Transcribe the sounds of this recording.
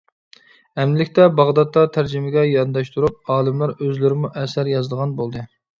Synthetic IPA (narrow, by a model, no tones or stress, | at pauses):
ɛmd̪ɪlɪkʲt̪ɛbɑʁd̪ɑt̪ːɑt̪ʰæɾd͡ʒɪmɪɡʲɛjɑnd̪ɑʃt̪ʰuɾup̚ɑːlˠɨmlæɾøzlɪɾɪmuʔɛsæɾjɑzɨld̪əʁɑnbolˠd̪ɨ